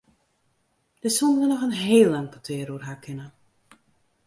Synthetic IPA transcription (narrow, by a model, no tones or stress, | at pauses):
d̥əsundəʋənɔxənɦeːlˠaŋkətʰɪːɾuərɦaːkʰɪnə